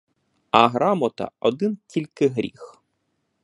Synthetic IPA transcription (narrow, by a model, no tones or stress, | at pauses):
ɐɦɾɑmɔt̪ɐ̰ɔd̪ɪntʲilʲkɪɦɾʲḭx